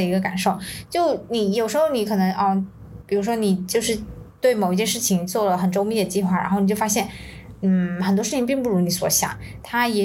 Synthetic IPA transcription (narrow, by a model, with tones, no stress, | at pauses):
ə˩i˧˥ɡə˧ka̰˨˩nʂo˥˩ʊt͡ɕjo˥˩ʊni˨˧˩jo˨˩ʂɻ̩˧˥xo˥˧ʊni˧˥kʰɤ˨˩nɤ˧˥ŋʔɔ˥˩ | pi˨˩ɻu˥ʂwɔ˥ni˨˩t͡ɕjo˥˧ʊʂɻ̩˥˧t̪we˥˩ɪmo˨˩ʊi˥t͡ɕjɛ˥˧nʂɻ̩˥˩t͡ɕʰi˩ŋt͡swɔ˥˩lə˩xə˨˩nʈ͡ʂo˥ʊmi˧˥d̪ə˩t͡ɕi˥˧xwa˥˩ɻa̰˧˥nxni˨˩t͡ɕo˥˩fa˥ɕjɛ˥˩n | n̩˥˩xə˨˩nt̪wɔ˥ʂɻ̩ʰ˥˩i˧˥p̬i˥˧ŋpu˥˩ɻu˧˥ni˧˥swɔ̰˧˥ɕjɑ̰˨˩˦ŋt̪ʰa˥jɛ˨˥